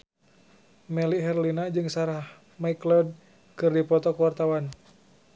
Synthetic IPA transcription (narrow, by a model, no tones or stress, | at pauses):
mɛliɦɛrlinad͡ʒɨŋsaɾah | maiklɔd̚ | kɨrdipɔt̪ɔkəwart̪awan